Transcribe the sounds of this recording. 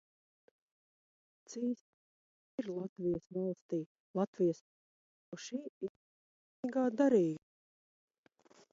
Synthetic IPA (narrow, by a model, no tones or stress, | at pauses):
t̪siːs | ɾlˠat̪vʲijəsvɑlˠst̪iː | lˠat̪vʲijəs | ʃiː | ɡaːd̪aɾiːɡ